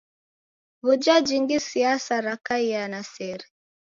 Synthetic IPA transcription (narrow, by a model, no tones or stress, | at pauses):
βud͡ʒad͡ʒiŋɡisiasaɾakaianasɛɾɛ